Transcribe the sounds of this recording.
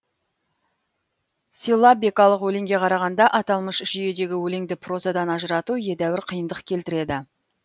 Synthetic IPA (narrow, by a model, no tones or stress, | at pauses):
silˠːɑbe̞kɑlˠəqwɵleŋɡʲe̞qʰɑɾɑʁɑnd̪ɑʔɑt̪ɑlˠməʃʒʏje̞d̪e̞ɡʲɪwɵleŋd̪ɪpʰro̞zad̪ɑnɑʒəɾɑt̪uje̞d̪æwɪɾqʰijənd̪əqkʲʰe̞lt̪ɪɾe̞d̪ɪ